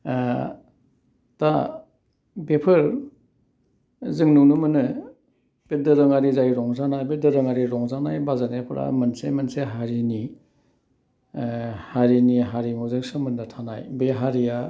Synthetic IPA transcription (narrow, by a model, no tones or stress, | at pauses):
ta | bepʰɯɾ | zɯŋnunumɯnɯ | b̥edɯɾɯŋaɾizajɾɔŋzanajbedɯɾɯŋaɾiɾɔŋzanajbazanepʰɾa̰mɯnsemɯnseɦaɾini | haɾiniɦaɾimuzɯŋsɯmɯndatʰanajbeɦaɾija